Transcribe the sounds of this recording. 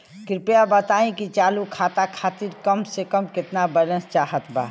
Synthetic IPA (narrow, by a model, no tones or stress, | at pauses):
kɾɪpjabət̪aĩkit͡ʃaːlukʰat̪akʰaːt̪iɾkəmsekəmkɪt̪nabələ̃nst͡ʃaɦət̪ba̰ː